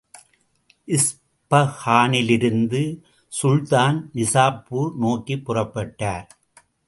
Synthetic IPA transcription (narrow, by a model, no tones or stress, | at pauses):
ʔɪs | pɐhaːnɪlɪɾɯnd̪ɯ | sʊɻt̪aːnnɪsaːpːunoːkːipːʊrɐpːɐʈːaːɾ